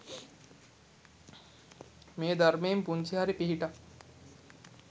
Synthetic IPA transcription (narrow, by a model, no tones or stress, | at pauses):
meːd̪ʱɐɾmeːmpunt͡ʃʰiɦaɾipiɦiʈa